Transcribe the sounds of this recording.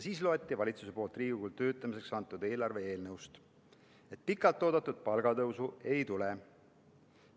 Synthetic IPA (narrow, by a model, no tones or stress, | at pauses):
jsiːslo̞et̪ːˑivɑlʲit̪suse̞po̞ːlt̪riːɡ̥ukult̪ø̞ːt̪ːˑɑmise̞ksɑnt̪ːˑud̪e̞ːlɑrve̞e̞ːlnɤwst̪ | e̞t̪̚pikːˑɑlt̪ːo̞ːd̪ɑt̪ːˑud̪̥̚pɑlɡ̥ɑt̪ɤwsue̞jt̪ule